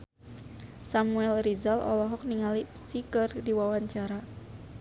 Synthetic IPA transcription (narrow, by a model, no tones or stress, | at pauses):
samuɛlrizalʔɔ̰lɔɦɔk̚niŋalisikərdiwawaɲt͡ʃaɾa